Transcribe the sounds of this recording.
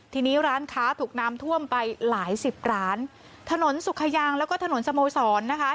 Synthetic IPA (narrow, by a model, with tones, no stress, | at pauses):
t̪ʰiː˧niː˦˥ɾaː˦˥nkʰaː˦˥t̪ʰuː˨˩k̚naː˦˥mt̪ʰu˥˩əmpa˧jlaː˩˦jsi˨˩p̚ɾaː˦˥n | t̪ʰa˧no˩˦nsu˨˩kʰa˧jaː˧ŋlɛ˦˥wkɔː˥˩t̪ʰa˧no˨˩˦nsa˧moː˧sɔː˩˦nːa˦˥kʰa˦˥